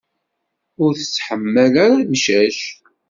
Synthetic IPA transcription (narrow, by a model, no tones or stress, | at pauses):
ʊɾθə̥t͡sːħəmːəlaɾamʃæʃ